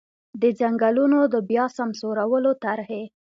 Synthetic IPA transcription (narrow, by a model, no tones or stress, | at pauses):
d̪əd͡ʒaŋɡalunod̪əbjɑsamsoɾawəlot̪aɾhe